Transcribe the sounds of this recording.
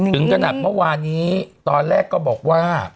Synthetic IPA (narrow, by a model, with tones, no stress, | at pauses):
ɯ˩˦ŋkʰa˧na˨˩t̪̚mɯ˥˩waː˧nːiː˦˥t̪ɔː˧nɾɛː˥˩kːɔː˥˩bɔː˨˩k̚waː˥˩